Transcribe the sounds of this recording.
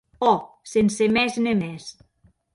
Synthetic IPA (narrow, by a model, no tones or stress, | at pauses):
ɔ | sensemɛznemɛs